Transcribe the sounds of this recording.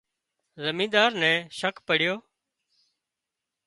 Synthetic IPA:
zəmĩːnd̪aːɾnɛ̃ːʃəkʰpəɽɪjoː

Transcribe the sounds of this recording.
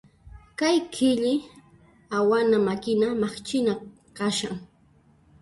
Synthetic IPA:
kajkʰɪʎɪ | awanamakɪnamaχt͡ʃɪna | kaʃaŋ

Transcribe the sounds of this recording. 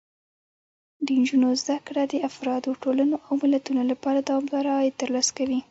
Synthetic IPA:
d̪ənd͡ʒunozd̪akɽad̪əafɾɑd̪oʈolanoʔawmɪlat̪unolapɑɾad̪awɑmd̪ɑɾajet̪əɾlɑskawi

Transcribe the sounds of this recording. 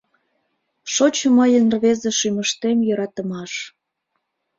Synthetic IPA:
ʃot͡ɕəməjənrβezeʃyməʃt̪emjøɾɑt̪ə̆mɑʃ

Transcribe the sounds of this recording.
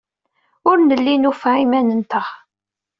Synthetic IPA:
ʊɾnəlːinufʕimænənt̪əχ

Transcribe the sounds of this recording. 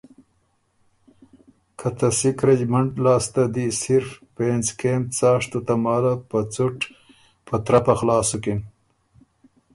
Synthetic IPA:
kʰɐt̪ɐsikɾed͡ʑmɐɳʈlaːst̪ad̪isiɾfpeːnzkemt͡saːʂt̪ut̪amaːlapɐt͡suʈ | pɐt̪ɾɐpɐxlaːsukin

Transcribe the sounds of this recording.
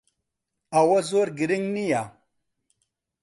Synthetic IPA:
awazoɾɡiɾiŋnija

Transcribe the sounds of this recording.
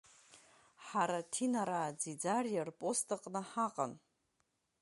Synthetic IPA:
ħaɾatʰinaɾaːd͡zid͡zarjarpʼostʰʼɨqʼnɨħaqʼa̰n

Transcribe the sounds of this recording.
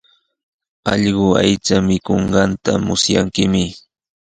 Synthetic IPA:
ɑʎɢʊa̰jt͡samɪkoɴɢɑnt̪amʊsjaŋkɪmɪ

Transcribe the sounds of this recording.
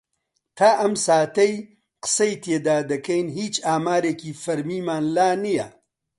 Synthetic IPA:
t̪ʰaːʔɐmsaːt̪ɐj | qsɐjt̪ed̪aːd̪ɐkɐjnɦiːt͡ʃaːmaːɾekifɐɾmimaːnlaːnija̰

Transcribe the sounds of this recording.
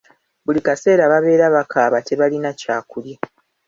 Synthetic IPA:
bulikase̞ːɾaβaβe̞ːɾaβakʰaːβate̞βalinacaːkulje

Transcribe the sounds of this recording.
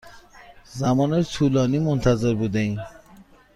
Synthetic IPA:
zæmɒːnet̪ʰuːlɒːniːmont̪ʰæzeɾbuːd̪ein

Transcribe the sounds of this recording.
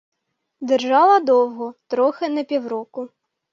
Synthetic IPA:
d̪erʒɑlˠɐd̪ɔwɦɔt̪ɾɔxɪnɛpʲiwɾɔkʊ

